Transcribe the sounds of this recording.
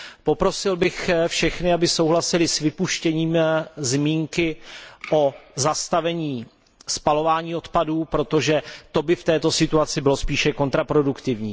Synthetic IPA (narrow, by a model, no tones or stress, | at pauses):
po̞pɾo̞sɪlbɪxfʃɛxnɪabɪso̞wɦlasɪlɪsvɪpuʃcɛɲiːmzmiːŋkɪʔo̞zast̪avɛɲiː | spalo̞vaːɲiːo̞t̪paduːpɾo̞t̪o̞ʒɛt̪o̞bɪft̪ɛːt̪o̞sɪt̪uat͡sɪbɪlo̞spiːʃɛko̞nt̪ɾapɾo̞dukt̪ɪvɲiː